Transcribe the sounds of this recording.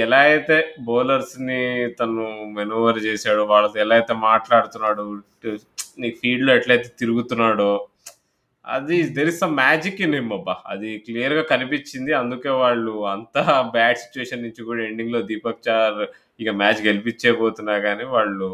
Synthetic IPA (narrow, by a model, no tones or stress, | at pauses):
ɛlaːɐjt̪e̞ːbɔːlɐɾsnit̪ɐnumenuːʋɐɾt͡ʃeːsaːɽuʋaːɭːɐt̪oɛlaːjt̪e̞ːmaːʈlaːɽut̪unːaːɽu | niːpʰiːɖloːɛʈlɐjt̪eːt̪iɾuɡut̪unːaːɽoː | ɐ̰d̪id̪eɾist̪ɐmaːd͡ʒikːineːmːɐbːaɐ̰d̪iklijɐɾɡaːkɐnipit͡ʃːind̪iɐnd̪uke̞ːʋaːɭːuɐnt̪aːbaːʈsi̥t͡ʃːuʋeːʃɐnːiɲt͡ʃːukuːɽɐeɳɖiŋɡlo̞ːd̪iːpɐkt͡ʃaːɾ | ikɐmaːt͡ʃɡe̞lipit͡ʃːeːboːt̪unːaːɡaːniːʋaːɭːu